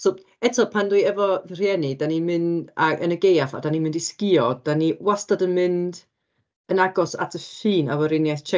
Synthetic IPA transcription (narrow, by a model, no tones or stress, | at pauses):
sɔ | ɛtʰɔpʰandujɛvɔrjɛnɨdanimɨndaʔə̰nəɡejafa̰danimɪ̃ndiskɪɔdaniwastadənmɨnd | ənaɡɔsa̰tʰəfɨːna̰vəɾɪnjajθt͡ʃʰɛ